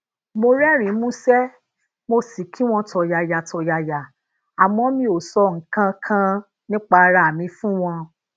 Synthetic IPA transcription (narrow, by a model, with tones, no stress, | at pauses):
mo˧ɾɛ˦ɾ̃ĩ˨˦mũ˦sɛ˦ | mo˧si˨kʰi˨˦w̃ɔ̃˧tɔ˧ja˨ja˨tʰɔ˧ja˧˨ja˨ | a˨mɔ̃˧˦mĩ˧o˨sɔ˨˧˨ŋ̩˨kã˦kʰã˦ | nĩ˦k͡pa˧ɾa˧˨mĩ˧fũ˦w̃ɔ̃˧